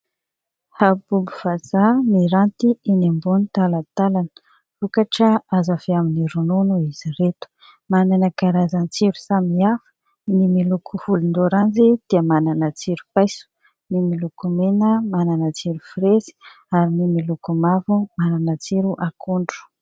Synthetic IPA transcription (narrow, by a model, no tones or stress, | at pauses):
habubuv̥azamiɾant̪iinembunit̪alat̪alanə̥ | fukaʈ͡ʂəazaveaminiɾununuiziɾet̪u̥ | mananəkaɾazant͡siɾusamiafə̥ | nimilukʰuhulund̪oɾand͡zid̪̥iəmananat͡siɾupajsu̥ | nimilukumenəmananat͡siɾufiɾezi̥ | aɾinimilukumavumananat͡siɾuʔakʰuɳɖ͡ʐu̥